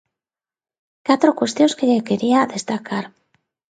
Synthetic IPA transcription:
kat̪ɾo̞kwe̞st̪jo̞nskeʝekeɾiaðe̞st̪akʰaɾ

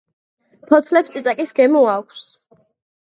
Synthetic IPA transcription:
pʰɔt̪ʰlɛpst̪sʼit̪sʼakʼisɡɛmɔakʷʰs

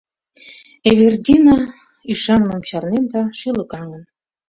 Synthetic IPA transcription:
eβerd̪ʲinɑ | yʃɑnmɑmt͡ɕɑrnend̪ɑʃylə̆kɑŋə̆n

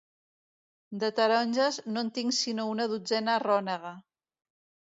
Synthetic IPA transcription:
d̪ət̪əɾɔnʲʒəznont̪iŋsinounəðud͡zɛnarɔnəɣa

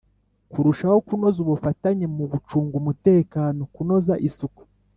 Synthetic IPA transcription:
kuɾuʃaho̞kuno̞zuβufataɲemuβut͡ʃuːŋɡumute̞ːkaːno̞kuno̞zaʔisuku̥

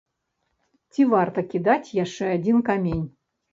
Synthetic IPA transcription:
t͡sʲivart̪ɐkʲid̪at͡sʲjaʂt͡ʂɛad͡zʲinkamʲenʲ

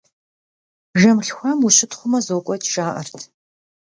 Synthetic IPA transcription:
ʒɐmɬxʷamuʃɪtʰχʷʊmɐzoːkʷʼɔtʰʂaːʔɐ̰rtʰ

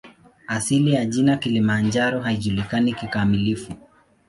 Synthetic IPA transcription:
asilijaʄinakilimand͡ʒaɾɔɦaiʄulikanikikamilifu

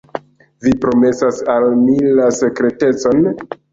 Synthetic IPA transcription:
vipɾo̞me̞sasalmilase̞kɾe̞te̞t͡so̞n

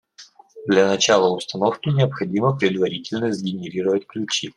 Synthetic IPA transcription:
d̪lʲɐnɐt͡ɕalˠəʊst̪ɐno̞fkʲɪnʲɪəpxɐdʲiməpɾʲɪd̪vɐɾʲitʲɪlʲnəzɡʲɪnʲɪɾʲiɾəvətʲklʲʉt͡ɕi

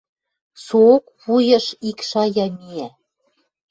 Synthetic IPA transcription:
sookβujɤ̆ʃikʃɑjɑmiæ

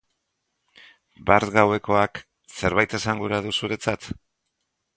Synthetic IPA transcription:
baɾt̪ɡawe̞ko̞ak | se̞ɾβajt̪e̞saŋɡuɾaðusuɾe̞t͡sat̪

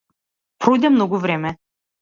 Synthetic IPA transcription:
pɾɔjd̪ɛmnɔɡuvɾɛmɛ

